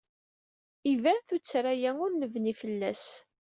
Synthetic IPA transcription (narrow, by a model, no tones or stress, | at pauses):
ivæθut͡sːɾæjæŋʊɾnəvnifəlːæ̰s